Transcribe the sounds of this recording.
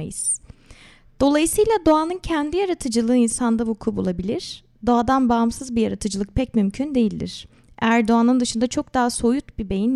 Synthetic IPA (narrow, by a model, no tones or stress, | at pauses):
ajɯz̥ | d̪̥o̞lˠajɯsɯjlʲˠad̪o̞anɯncʰɛnd̪ijaɾat̪ʰɯd͡ʒɯlˠɯːinsand̪avukʰubulˠabilʲiɾ̥ | d̪o̞ad̪anbaɯmsɯzbijaɾat̪ʰɯd͡ʒɯlˠɯk̚pʰɛc̚mymcʰynd̪e̞jilʲd̪ḭɾ̥ | æɾd̪o̞anɯnd̪ɯʃɯnd̪at͡ʃʰo̞k̚d̪aːaso̞jut̪bibe̞jin